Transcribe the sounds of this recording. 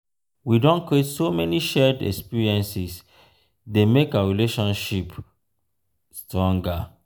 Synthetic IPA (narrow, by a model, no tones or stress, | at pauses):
widɔ̃nkɹietsomɛniʃɛdɛ̰kspiɹiɛ̃nsis | demekaɹileʃɔ̃nʃip | stʰɔ̃ŋɡa